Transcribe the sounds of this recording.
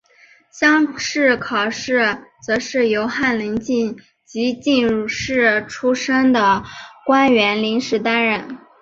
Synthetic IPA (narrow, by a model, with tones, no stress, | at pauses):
ɕjɑ˥ŋʂɻ̩˥˩kʰɑ˨˩ʊʂɻ̩˥˩t͡sɤ˧˥ʂɻ̩˥˩jo˧˥ʊxa˥˩nli˧˥ŋt͡ɕi˥˩n | t͡ɕi˧˥t͡ɕi˥˧nɻu˥˧˩ʂɻ̩˥˩ʈ͡ʂʰu˥ʂə˥ŋd̪ə˨kwa˥nɥɛ˧˥nli˧˥ŋʂɻ̩˧˥t̪a˥nɻə˥˩n